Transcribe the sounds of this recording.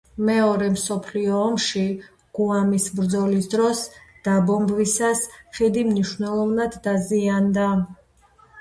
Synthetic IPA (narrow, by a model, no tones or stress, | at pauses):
mɛɔɾɛmsɔpʰliɔːmʃi | ɡ̥uamisbɾd̪zɔlisd̪ɾɔsd̪̥abɔmbvisasχɛd̪imniʃwnɛlˠɔvnad̪ːaziand̪a